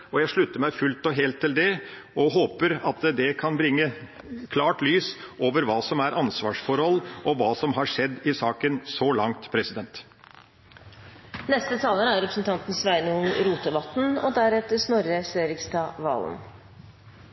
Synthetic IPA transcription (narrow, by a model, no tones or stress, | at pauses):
ɔjæɪʂɭʉt̪ːəmæɪfʉlt̪ɔɦeːlt̪ʰːɪld̪ɛ | ɔɦoːpəɾɑt̪d̪ɛkʰɑnbɾɪŋːə | kʰlɑːʈlyːsʔoːʋəɾʋɑːsɔmæɾʔɑnsʋɑːʂfɔɾhɔlːʔɔʋɑːsɔmɦɑʂɛd̪ːɪsɑːkənsɔlɑŋt̪pʰɾɛsɪd̪ɛnt̪ | nɛst̪ət̪ʰɑːlənəæɾɾɛpɾəsn̩t̪ʰɑnt̪n̩sʋæɪnʊnɾuːt̪əʋɑt̪n̩ɔd̪æɾɛt̪əsnɔɾəseːɾɪkst̪ɑʋɑ̰ːl̰n̩